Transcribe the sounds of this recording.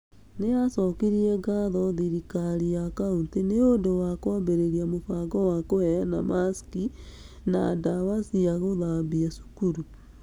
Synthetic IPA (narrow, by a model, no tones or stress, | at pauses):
neasɔːkiɾiɛɡaðɔðiɾikaɾijakaunteneondowakwambeɾeɾiamofaɡɔwakoɛɾana̰maski | nadawasiaɣoðambiasu̥kuɾu